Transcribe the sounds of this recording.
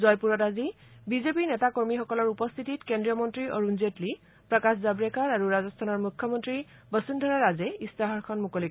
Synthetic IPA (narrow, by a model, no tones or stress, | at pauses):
zɔjpuɹɔtazibizepinɛtakɔɹmixɔkɔlɔɹupɔst̪ʰititkendɹiɔmɔntɹiʔɔɹunzetli | pɹɔkaszabɹekaɹaɹuɹazɔstʰanɔɹmukʰːɔmɔntɹi | bəsindʱɔɹaɹazɛistaɦɔɹkʰɔnmukɔlik